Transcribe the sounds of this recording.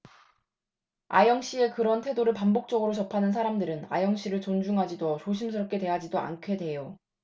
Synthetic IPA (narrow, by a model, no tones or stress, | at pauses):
a̰jʌŋɕ͈ie̞kɯɾʌntʰwe̞doɾɯɭpambok̚t͡ɕ͈ʌɡɯɾot͡ɕʌpʰanɯns̬ʰaɾamdɯɾɯna̰jʌŋɕ͈iɾɯɭt͡ɕond͡ʑuŋɦad͡ʑidot͡ɕoɕ̬ʰims̬ʰɯɾʌp̚k͈e̞twe̞ɦad͡ʑidoa̰nkʰe̞dwe̞jo